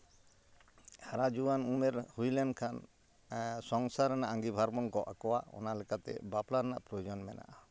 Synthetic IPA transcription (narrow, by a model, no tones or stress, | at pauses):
haɾad͡ʒuwanumɛɾhujlɛnkʰan | sɔŋsaɾɛnaʔaŋɡibʱaɾbɔŋkɔʔa̰kɔwaɔ̰nalɛkat̪ɛ̰baplaɾɛna̰ʔpɾɔjɔd͡ʒɔnmɛna̰ʔa